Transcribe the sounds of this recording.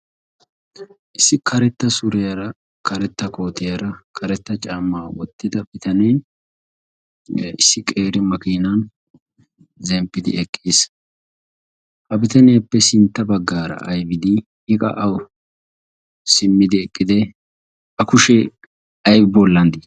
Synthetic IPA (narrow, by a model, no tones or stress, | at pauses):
ʔɪsːɪkʰɐɾɛt̪ːɐsʊɾɛjɐɾɐ | kʰɐɾɛt̪ːɐko̞ːt̪ɛjɐɾɐkʰɐɾɛt̪ːɐt͡ʃʼaːmːaːwɔt̪ːɪd̪ɐbɪt̪ɐneː | ɪsːɪkʼe̞ːɾɪmɐkiːnɐn | zɛmpːɪd̪ɪ̰ʔɛkʼːeːs | hɐbɪt̪ɐnɛjɐpːɛsɪnt̪ːɐbɐɡːaːɾɐ̰ʔɐjbɪd̪ɪ | ɪkʼɐ̰ʔɐw | sɪmːɪd̪ɪɛkʼːɪd̪ɛ | ɐkʊʃɛ | ɐjbbɔlːɐnd̪ɪ